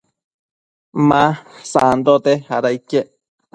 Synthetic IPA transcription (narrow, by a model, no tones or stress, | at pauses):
mãsaʔand̪ot̪ehaɾaikeʔ